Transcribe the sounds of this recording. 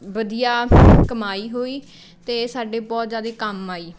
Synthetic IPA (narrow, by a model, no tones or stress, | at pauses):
bəd̪ijaːkəmaːiːɦoːiː | t̪eːsaːɖeːbɔːt̪zjaːd̪eːkəmaːiː